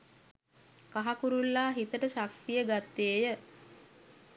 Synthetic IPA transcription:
kaɦakuɾulːaːɦit̪əʈəʃak̚t̪ijəɡat̪ːeːjə

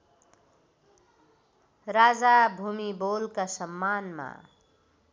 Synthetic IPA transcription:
ɾaːd͡zabʱumiboːlkasəmːaːnma̰

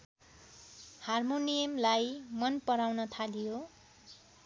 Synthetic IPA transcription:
harmonijʌmlajmʌnpʌɾawnʌt̪ʰalijo

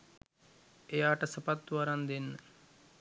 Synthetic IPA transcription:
ejaːʈɐsəpat̪̚ːuʋaɾand̪enːə

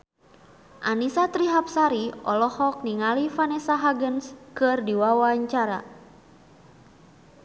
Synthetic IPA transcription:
ʔanisat̪ɾiɦap̚saɾiɔlɔhɔk̚niŋalifanɛsaɦaɡənskɨrdiwawaɲt͡ʃaɾa̰

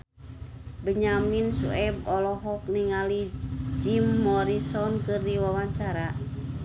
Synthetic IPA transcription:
bəɲaminsṵɛbɔlɔɦɔk̚niŋalid͡ʒimːɔɾisɔnkɨrdiwawaɲt͡ʃaɾa

